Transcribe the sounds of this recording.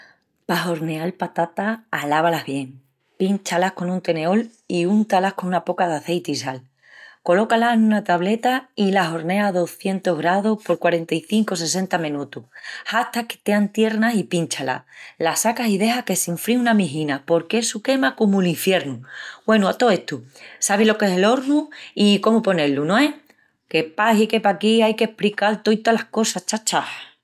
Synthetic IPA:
paɦo̞ɾne̞alpat̪at̪aːlaβalaɦβje̞ŋ | pint͡ʃalahko̞nunt̪e̞ne̞o̞l | iunt̪alahko̞nunapo̞kaðaθe̞jt̪isal | ko̞lo̞kalaenũnat̪aβle̞t̪ailaɦo̞ɾne̞aðo̞θje̞nt̪oɦɣɾaðohpo̞ɾkwaɾe̞nt̪aiθiŋko̞se̞s̬e̞nt̪amẽnut̪uhhaht̪ake̥t̪eant̪je̞ɾnasipint͡ʃala̰lasakasiðe̞ɦake̞siɱfɾiunamiɦinapo̞ɾkesuke̞makomuliɱfje̞ɾnubwe̞nuat̪o̞e̞ht̪usaβ̞ilo̞ke̞se̞lo̞ɾnuiko̞mupo̞ne̞lunõe̞ | ke̞paɦike̞pakiajke̞hpɾikalt̪o̞jt̪alahko̞sat͡ʃat͡ʃa

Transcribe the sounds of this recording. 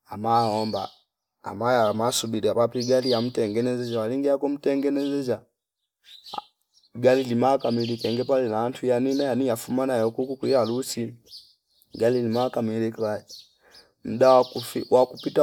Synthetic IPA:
amaɔmba̰ː | majamasubiliapapiɡaliam̩tɛŋɡɛnɛzɛd͡ʒawaliŋɡiakɔm̩tɛŋɡɛnɛzɛd͡ʒa | ɡalilimakamilikɛŋɡɛpalɛnaantʰujaninajaniafumanajɔkukukwihalusi | ɡalilimakamilikɾa | m̩daaufiwakupita

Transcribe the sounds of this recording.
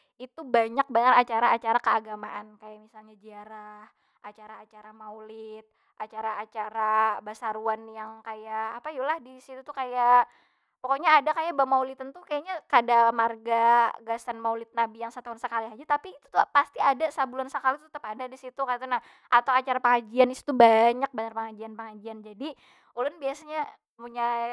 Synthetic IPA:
it̪ubaɲak̚baɲarat͡ʃaɾaːt͡ʃaɾakəaɡamaʔankajaʔmisalɲad͡ʒiaɾah | ʔat͡ʃaɾaːt͡ʃaɾamaulɪt̪̚ | ʔat͡ʃaɾaːt͡ʃaɾabasaɾuanjaŋkajaːpajulahdisit̪ut̪ukaja | pɔkoɲaːdakajabamaulit̪ant̪ukajaɲakadamarɡaɡasanmaulɪt̪̚nabijaŋsat̪aʊnsəkaliɦad͡ʒat̪apiːt̪u̥t̪upast̪iadasabulansəkalit̪ə̥t̪əpadadisit̪ukat̪̬unah | ʔat̪awat͡ʃaɾapəŋad͡ʒianisi̥t̪ubaɲak̚baɲarpəŋad͡ʒianpəŋad͡ʒiand͡ʒadi | ulʊnbiasaɲa | muɲa

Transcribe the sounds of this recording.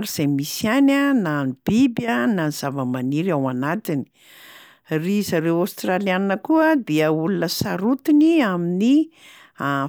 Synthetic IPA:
ɾiz̥emisjanananib̥ibənaniz̥avəmaniɾawanat̪ini̥ | rizaɾewast̪ralianinəkuəd̪eəulunəsaɾut̪iniamini | a

